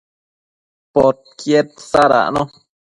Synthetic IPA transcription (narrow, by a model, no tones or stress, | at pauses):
pot̪̚kjet̪̚saɾa̰ʔnõ